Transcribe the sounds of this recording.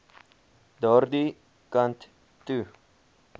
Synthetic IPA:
d̪ɔɾd̪i | kant̪ | t̪ːʉ

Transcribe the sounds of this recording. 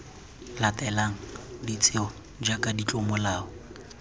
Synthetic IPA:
latʼɛlaŋ̩dit͡sʼɪɔ | d͡ʒakʼadit͡ɬʼɔmʊlaːɔ

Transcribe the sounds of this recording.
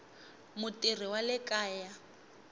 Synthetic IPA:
mʊtir̤iwalɪkʼaːja

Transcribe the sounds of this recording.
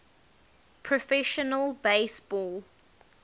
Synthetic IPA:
pʰɹɔfɛʃənəlˠbeɪsb̥ɔːl

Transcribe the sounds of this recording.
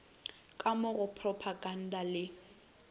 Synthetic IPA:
kʼamʊɣʊpʰrɔpʰaɡan̩dalɪ

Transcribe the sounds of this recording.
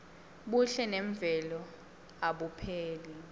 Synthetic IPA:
ɓuɬɛnɛɱvʱɛlɔ | aɓupʰeːli

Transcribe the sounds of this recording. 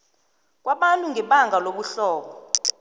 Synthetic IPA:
k̬ʼwaɓantʼuŋɡʱɛɓaŋɡʱaloɓuɬɔːɓɔ

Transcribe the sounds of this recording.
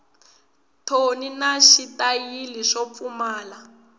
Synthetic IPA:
tʰoninaʃitʼajiliʃɔp̪fumaːla

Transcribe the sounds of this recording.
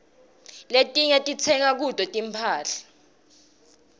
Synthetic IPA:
letʼiɲɛtʼit͡sʰɛŋak̬ud̥ʱɔtʼimpʰaːɬḁ

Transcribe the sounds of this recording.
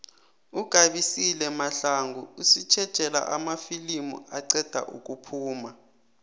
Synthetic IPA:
uɡ̥ʱaɓisilɛmaɬaŋɡʱuusit͡ʃʰɛd̥ʒ̥ʼʱɛla̰ʔa̰mafilimṵaǀɛd̥ʱa̰ʔuk̬ʼupʰuːma

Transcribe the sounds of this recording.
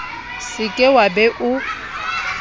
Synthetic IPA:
sɪkʼɛwabɛʔʊ

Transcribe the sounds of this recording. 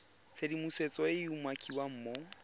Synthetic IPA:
t͡sʰedimuset͡sʼɔɪumwakʼiwam̩ːmo

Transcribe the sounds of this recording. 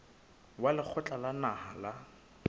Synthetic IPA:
walɪk͡xʰʊt͡ɬʼalanahala

